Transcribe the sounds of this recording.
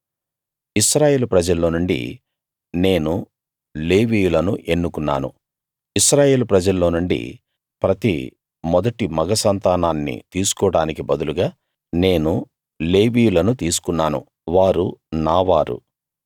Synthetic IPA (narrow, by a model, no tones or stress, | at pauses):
iʃɾaːje̞ːlpɾɐd͡ʒɐlːoːnuɳɖḭ | ne̞ːnu | le̞ːʋiːjulɐnuʔe̞nːukunːa̰ːnṵ | iʃɾaːje̞ːlupɾɐd͡ʒɐlːo̞ːnuɳɖḭ | pɾɐt̪ḭ | mɔd̪ɐʈimɐɡɐsɐnt̪aːnaːnːḭt̪iːsu̥kɔːɽaːnikibɐd̪uluɡaː | ne̞ːnu | le̞ːʋiːjulɐnut̪iːsu̥kunːaːnṵ | ʋaːɾunaːʋaːɾṵ